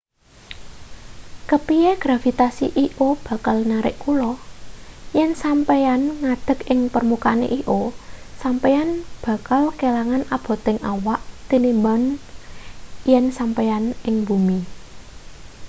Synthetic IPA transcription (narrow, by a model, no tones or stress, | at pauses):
kəpieɡ̥ɾafit̪asḭʔiʔob̥ä̤kalnaɾɪ̰ʔkulɔ | jɛnsampeanŋad̪̥ə̤kɪŋpərmukanḛʔiʔosampejanb̥ä̤kalkelaŋanab̥ɔ̤t̪ɪŋʔawaʔt̪inimban | jɛnsampeanɪŋb̥umi